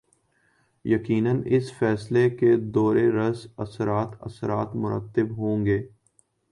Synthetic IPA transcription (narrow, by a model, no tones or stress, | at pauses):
jɐkiːnənɪsfɛːsleked̪ɔːɾeɾɐsɐ̰sɾaːt̪ɐ̰səɾaːt̪mʊɾə̰t̪ːɪbɦõːŋɡeː